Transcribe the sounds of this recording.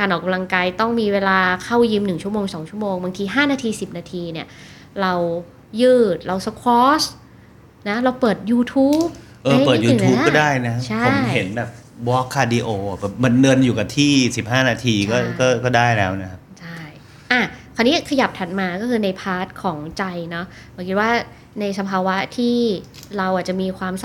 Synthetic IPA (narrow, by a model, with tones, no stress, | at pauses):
kaː˧nʔɔː˨˩ka˧mla˧ŋkaː˧jt̪ɔ˥˩ŋmiː˧weː˧laː˧kʰa˥˩wji˧mnɯ˨˩ŋt͡ɕʰu˥˩ɐmoː˧ŋsɔː˩˦ŋt͡ɕʰu˥˩ə˨moː˧ŋbaː˧ŋt̪ʰiː˧ɦaː˥˩naː˧t̪ʰiː˧si˨˩p̚naː˧t̪ʰiː˧ni˥˩ɐ | ɾa˧w | jɯː˥˩t̪̚ɾa˧wsa˧˥kʰwɔː˦˥s | na˦˥ɾa˧wpɤː˨˩t̪̚juː˧t̪ʰuː˦˥p | ʔɤː˧˥əː˨˩t̪̚juː˧˨t̪ʰu˦pkːɔ˥daː˥˩jna˦kʰa˦˥t͡ɕʰa˥˩˧he˩˦nbɛː˨˩p̚wɔː˦˥kʰːaː˧di˧ʔoː˧˨˩bɛː˨˩p̚ma˧nːɤ˧njuː˨˩ka˨˩t̪ʰiː˥˩si˨˩p̚haː˥˩naː˧t̪ʰiː˧kɔː˥˩kɔː˥˩kɔː˥˩daː˥˩jlɛː˦˥wna˦˥kʰa˦˥p̚t͡ɕʰa˥˩j | ʔa˧˩k̪ʰaː˧˩niː˦˥kʰa˧ja˨˩p̚t̪ʰa˨˩t̪̚maː˧kɔː˥˩kʰɯː˧na˧jpʰaː˦˥t̪̚kʰɔː˩˦ŋt͡ɕa˧jnɔ˦˥ | bkʰi˦t̪̚waː˥˩ | na˧jsa˧pʰaː˧wa˦˥t̪ʰiː˥˩ɾa˧wʔa˨˩t͡ɕa˨˩miː˧kʰwaː˧msa˧